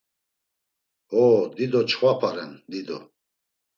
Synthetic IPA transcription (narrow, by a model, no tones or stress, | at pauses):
hɔːd̪id̪ɔt͡ʃʰχwapʰaɾɛnd̪id̪ɔ̰